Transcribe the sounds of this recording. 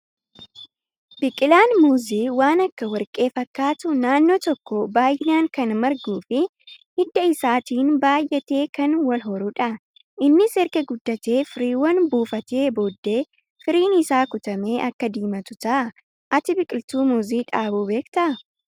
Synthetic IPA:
bɪkʼɪlaːnmuːziːwaːnɐkːɐwɐɾkʼe̞ːfɐkːaːt̪ʊnaːnːoːt̪ɔkːɔbaːjɪnaːŋkɐnmɐɾɡuːfɪ | hɪd̪ːɐɪsaːt̪iːnbaːjʔɛt̪e̞ːkɐnwɐlɦɔɾʊᶑɐ | ʔɪnːɪsɛɾkɛɡʊd̪ːɐt̪e̞ːfɪɾiːwɐnbuːfɐt̪e̞ːbo̞ːd̪ːe̞ː | fɪɾiːnɪsaːkʊt̪ɐme̞ːʔɐkːɐd̪iːmɐt̪ʊt̪ɐʔɐ | ʔɐt̪ɪbɪkʼɪlt̪uːmuːziːᶑaːbuːbe̞ːkt̪ɐʔɐ

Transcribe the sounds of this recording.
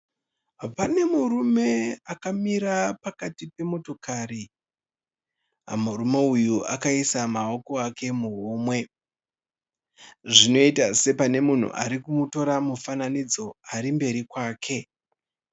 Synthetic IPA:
pane̞muɾume̞akamiɾapakatipe̞mo̞to̞kaɾi | a̰muɾume̞ujuʔa̰kaisamao̞ko̞ake̞muɦuːmwe̞ | ʐino̞itase̞pane̞mun̤ṵʔa̰ɾikumuto̞ɾamufananid͡zo̞aɾimbe̞ɾikwaːkʰe̞

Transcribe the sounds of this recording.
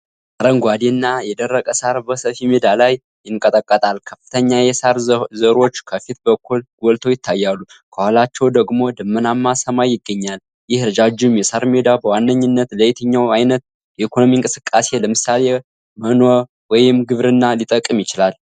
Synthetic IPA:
ʔʼaɾəŋɡʷad̪inːajɛd̪ərːəkʼəsaɾbəsəfimed̪alaj | jɪŋkʼət̪ʼəkʼːət̪ʼalkʰəfːɨt̪ʰəɲːajɛsaɾzəɾo̞t͡ʃːkʰəfit̪bəkʰːulɡ̥ʷɔlt̪ʰo̞jɪt̪ʰːajːalːu | kʰəhwalat͡ʃːɛwd̪əɡmo̞d̪ɨmːɨnamːasəmajːɪɡːəɲːal | jɪhɾɨd͡ʒad͡ʒumjɛsaɾmed̪abəwanːəɲːɨnːət̪lət̪ʰəɲːawajnət̪̚ | jɛikʰo̞nomiɨŋkʼɨsɨkʼːase̞ləmɨsːale | mənoɾ | wɔjɪmɡɨβɾɨnːalit̪ʼəkʼːɨmjɪt͡ʃɪlal

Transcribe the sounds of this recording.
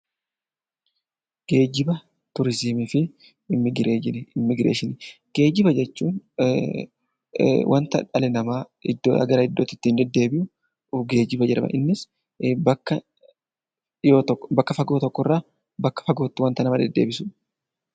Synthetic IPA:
ɡ̥e̞ːd͡ʒɪbɐ | t̪ʊɾɪzimiːfɪ | mːɪɡɾeːɪnɪmːɪɡɾḛːʃɪnɪɡ̥e̞ːd͡ʒɪbɐd͡ʒɛt͡ʃːuːn | wʔɐnt̪ɐ̰ᶑɐlɛnɐmaː | ɪd̪ːo̰ɐ̰ɡɐɾɐɪd̪ːoːt̪ːɪ̥t̪ːiːnd̪ɛd̪ːe̞ːbɪjʊ | ʊɡe̞ːd͡ʒɪbɐd͡ʒɛɾɐbɐ̰ʔɪnːɪs | bɐkːɐ | joːbɐkːɐfɐɡoːt̪ɔkːɔrːaː | bɐkːɐ̥fɐɡo̞ːt̪ːɪwɐnt̪ɐnɐmɐd̪ɛd̪ːe̞̰ːbɪsʊ

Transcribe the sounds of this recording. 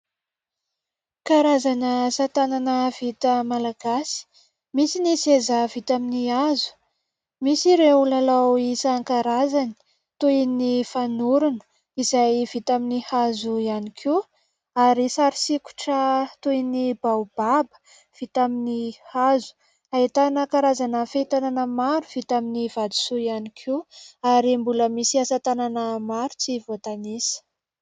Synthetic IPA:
kaɾazanəsat̪ananəv̥it̪əmalaɡasi̥ | misinisezəvit̪aminiazu̥ | misiɾeulalawisaaŋkaɾazani̥ | t̪ujnifanuɾunə̥ | izajvit̪aminihazuianikʰu | aɾisaɾisiku̥ʈ͡ʂət̪ujnibaub̥abə̥ | v̥it̪aminihazu̥ | ait̪anakaɾazanəfet̪ananəmaɾuv̥it̪aminiv̥ad̪u̥suianikʰeaɾimbuləmisiasat̪ananəmaɾut͡sivot̪anisə̥

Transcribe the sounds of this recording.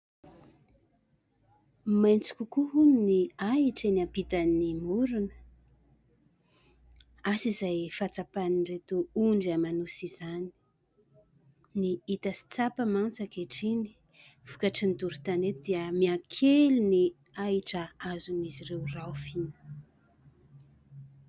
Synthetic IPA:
majnt͡si̥kʲukuɦuminiaiʈ͡ʂenapit̪animuɾunə̥ | asizajfat͡sapaniɳɖ͡ʐet̪uuɳɖ͡ʐamanusizani̥ | niit̪əsi̥t͡sapəmant͡sakeʈ͡ʂini̥ | v̥ukaʈ͡ʂind̪uɾut̪anet̪id̪iəmiakʰeluni | aiʈ͡ʂəazuniziɾewrafinə̥

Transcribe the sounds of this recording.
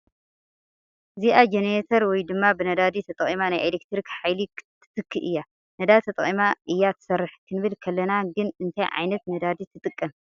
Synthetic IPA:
ziʔad͡ʒenɾet̪ʰɐɾwɔjd̪ɨmːabɨnɐd̪ad̪it̪ʰɐt̪ʼɐχʼimanajʔelek̚t̪ɾikħajlit̪ʰːɨ̥t̪ɨkʰːiʔɨ̰jːa | nɐd̪ad̪t̪ʰɐt̪ʼɐχʼimaʔɨjːat̪ʰɨ̥sɐrːɨħkʰɨnɨβɨlkʰɐlːɐnaɡɨnɨnt̪ʰajʕa̰jnɐt̪nɐd̪ad̪it̪ʰɨt̪ʼɨkʼːɐm

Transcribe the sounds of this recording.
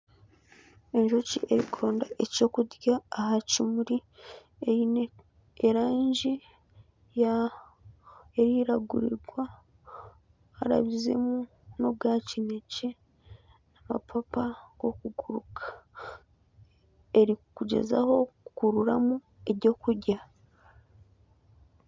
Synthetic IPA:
e̞ɲʒociʔe̞ɾikuɾo̞ːndaʔe̞co̞kudjaːhacimuɾi | eine | eɾaːɲɟi | ja | eɾiɾaɡuɾḭɾɡwa | ɾa̰βize̞̰mu | nob̚ɡacinece | nama̰pʰapaɡ̥o̞kuɡuɾukʰḁ | e̞ɾikuɟe̞̰za̰ho̞kkuɾuɾamu | e̞ɾɟo̞kuɾɟa

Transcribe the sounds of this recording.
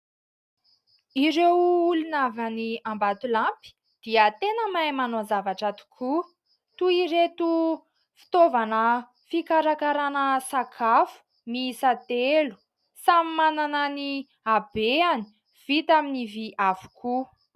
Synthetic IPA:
iɾewulunavaniambat̪ulampi̥ | d̪̥iət̪enəmajmanozavaʈ͡ʂat̪u̥kʰu | t̪uiɾet̪u | fi̥t̪ovanə | fikaɾakaɾanəsakʰafu̥ | misat̪elu̥ | samimananəni | abeani̥ | v̥it̪aminiviʔafu̥kʰu

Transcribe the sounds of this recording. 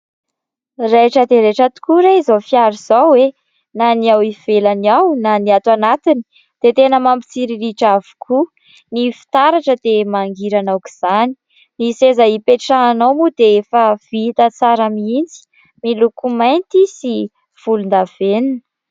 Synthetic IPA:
reʈ͡ʂəd̪eɾeʈ͡ʂət̪u̥kuɾaizofiaɾiz̥awe | naniawiv̥elaniawnaniat̪wanat̪ini̥ | d̪̥et̪enəmampi̥t͡siɾiɾiʈ͡ʂavu̥kʰu | nifi̥t̪aɾaʈ͡ʂəd̪emaŋɡiɾanawki̥z̥ani̥ | nisezaipeʈ͡ʂaːnawmud̪eefəv̥it̪ət͡saɾamiind͡zi̥ | milukumajnt̪isi | v̥ulund̪av̥eninə

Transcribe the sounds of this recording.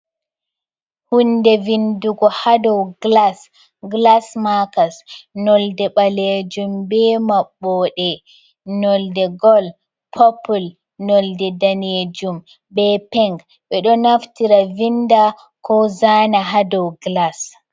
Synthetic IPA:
hundɛvinduɡɔhadɔwɡlas | ɡlasmakasnɔldɛɓaled͡ʒumbɛmaɓːɔɗɛ | nɔldɛɡɔl | pʰɔpul | nɔldɛdaned͡ʒum | bɛpɛŋɡ | ɓɛɗɔnaftiɾavinda | kɔzaːnaɦadɔwɡlas

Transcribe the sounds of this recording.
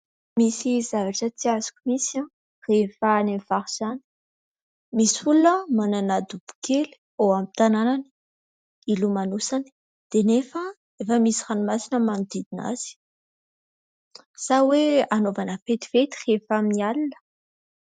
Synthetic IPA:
misizavaʈ͡ʂət͡siazu̥kʲumisã | refanemvaɾuz̥ani̥ | misfulunəmananad̪ub̥u̥kʰeli̥ | oamit̪ananani | ilumanusani̥ | d̪̥enefə | efəmisiranumasinəmanid̪id̪ina̰z̥i̥ | saweanovanəfet̪i̥vet̪i̥refaminialinə̥

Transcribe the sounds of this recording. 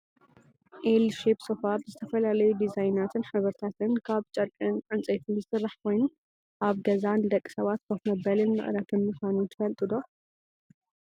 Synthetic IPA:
ʔelʃepsofabzɨt̪ʰɐfɐlalɐjud̪izajnat̪ʰɨnħɨβɐɾt̪ʰat̪ɨnkʰaβt͡ʃʼɐɾkʼɨnʕɨnt͡sʼet̪ʰɨnzɨsɨrːaħkʰo̞jnu | ʔaβɡɐzand̪ɐkʼːi̥sɐβat̪kʰɐkmɐbɐlɨnmɨ̰ʔʼɾɐt̪ɨnmɨxʷanut̪ʰɨfɐlt̪ʼɨd̪o̞

